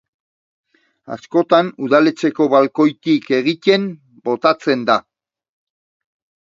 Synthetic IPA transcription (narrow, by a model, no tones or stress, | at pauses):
a̰sko̞t̪anuðale̞t͡se̞ko̞βalko̞jt̪ike̞ɣ̞it̪e̞m | bo̞t̪at͡se̞nd̪a